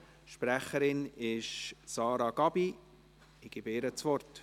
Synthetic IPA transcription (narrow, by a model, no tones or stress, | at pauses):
ʃpɾæχəɾɪnɪʃsɑːɾɑɡ̥ɑbi | ɪɡ̥iːbɪɾət͡svɔrt